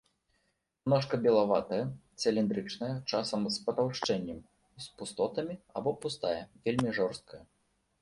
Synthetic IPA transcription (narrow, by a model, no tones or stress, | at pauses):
mnɔʂkɐbʲɛlˠavat̪ɐjɐ | sʲɛlʲind̪ɾɨt͡ʂnɐjɐt͡ʂasɐmspɐt̪awʂt͡ʂɛnʲːɛm | spust̪ɔt̪ɐmʲia̰bɔpust̪ajɐvʲelʲmʲiʐɔrst̪̚kʰɐjɐ